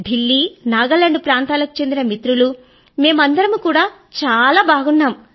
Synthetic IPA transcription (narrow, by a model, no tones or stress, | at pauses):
ɖʱilːiːnaːɡɐlːɐɳɖupɾaːnt̪aːlɐku̥t͡ʃe̞nd̪inɐmit̪ɾulu | me̞ːmɐnd̪ɐɾɐmukuːɽaː | t͡ʃaːlaːbʱaːɡunːaːmu